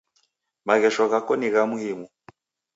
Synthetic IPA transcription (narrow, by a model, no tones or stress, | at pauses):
maɣɛʃɔɣakɔniɣamuhimu